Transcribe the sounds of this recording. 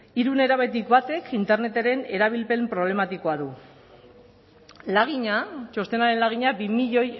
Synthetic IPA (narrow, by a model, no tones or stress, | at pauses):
iɾune̞ɾaβe̞t̪̬ikbat̪e̞kʰint̪e̞ɾne̞t̪eɾe̞ne̞ɾaβ̞ilpe̞mpɾo̞β̞le̞mat̪iko̞aðu | laɣ̞iɲat͡ʃo̞st̪e̞naɾe̞nlaɣ̞iɲabimiʎo̞j